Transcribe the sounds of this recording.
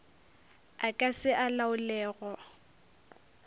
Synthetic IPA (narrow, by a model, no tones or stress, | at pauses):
akʼasɪʔalaʊlɛːɣɔ